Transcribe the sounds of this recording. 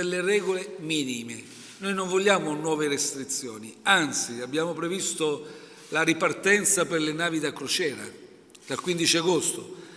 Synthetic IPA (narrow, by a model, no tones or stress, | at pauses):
elːerɛːɡolemiːnime | nojnoɱvoʎːaːmonwɔːverest̪ɾit̪sːjɔ̰ːniant̪siabːjaːmopɾevist̪o | laɾipart̪ɛnt̪sapɪrlɪnaːvid̪akɾot͡ʃɛːɾa̰ | d̪̥alkwind̪it͡ʃiaɡost̪o